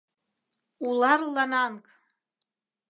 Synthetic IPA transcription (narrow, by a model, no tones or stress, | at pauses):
ularlanaŋkʼ